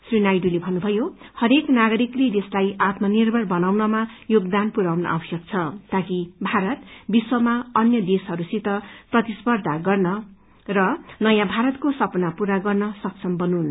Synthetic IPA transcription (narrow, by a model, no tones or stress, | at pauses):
srinajɖulebʱʌnːubʱʌjohʌɾeknaɡʌɾikled̪eslajat̪mʌnirbʱʌrbʌnawnʌmajoɡd̪anpuɾawnʌ̰ʔʌ̰bʌsjʌk̚t͡sʰʌt̪akibʱaɾʌt̪biswʌmaʌnjʌd̪esɦʌɾusit̪ʌprʌt̪ispʌrd̪ʱaɡʌrnʌ | rʌnʌjãbʱaɾʌt̪kosʌpʌnapuɾaɡʌrnʌsʌksʰʌmbʌnun